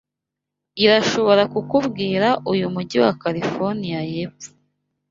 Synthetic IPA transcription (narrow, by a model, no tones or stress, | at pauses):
iɾaʃo̞βo̞ɾakukuβɡiːɾaʔujumuɟiwakaɾifoɾnijajeːpfu̥